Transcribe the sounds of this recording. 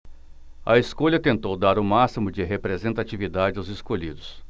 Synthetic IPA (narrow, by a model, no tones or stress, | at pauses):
ɐ̰eskoʎɐt̪ẽnt̪owd̪aɾʊmasimʊd͡ʒɪɦepɾezẽnt̪at͡ʃivid̪ad͡ʒɪawzeskoʎid̪ʊs